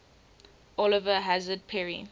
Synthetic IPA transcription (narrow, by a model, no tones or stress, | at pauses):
ʔɔlɪvəɦazəd̚pʰɛɹḭ